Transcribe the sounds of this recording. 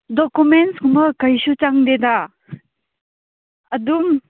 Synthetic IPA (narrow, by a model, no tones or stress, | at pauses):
dɔkumenʈskumʌkəjsut͡ʃaŋd̪ed̪a | ɐd̪um